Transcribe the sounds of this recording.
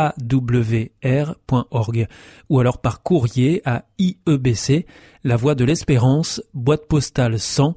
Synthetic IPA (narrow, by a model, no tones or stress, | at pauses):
ad̪ubləveɛʁpwɛ̃ʔɔʁɡ | ualɔʁpaʁkuʁjeaiøbese | lavwad̪əlɛspeʁɑ̃sbwat̪pɔst̪alsɑ̃